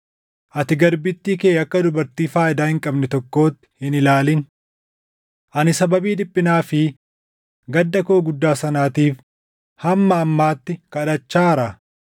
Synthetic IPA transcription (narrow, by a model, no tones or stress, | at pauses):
ʔɐt̪ɪɡɐɾbɪt̪ːiːkeːɐkːɐd̪ʊbɐɾt̪iːfaːjɪd̪aːhɪŋkʼɐbnɛt̪ɔkːo̞ːt̪ːɪ̥ɪnɪlaːlɪn | ʔɐnɪsɐbɐbiːd̪ɪpʼːɪnaːfɪ | ɡɐd̪ːɐkoːɡʊd̪ːaːsɐnaːt̪iːf | hɐmːɐːmːaːt̪ːɪkɐᶑɐt͡ʃːaːɾɐ